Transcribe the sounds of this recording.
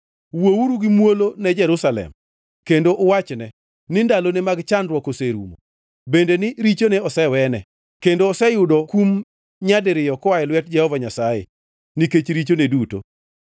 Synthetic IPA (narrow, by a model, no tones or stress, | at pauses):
wowuɾuɡimwolonɛd͡ʒɛɾusalɛ̰m | kendoʔːwat͡ʃnɛ | nɪndalonemaɡt͡ʃandɾwɔkoseɾṵmo̰ | bendenɪɾit͡ʃoneɔsɛwɛnɛ | kendoːsɛjʊdɔkum | ɲadɪɾɪjɔkɔaɛlwɛt̚d͡ʒɛhɔvaɲasajḛ | niket͡ʃɾit͡ʃoneduto̰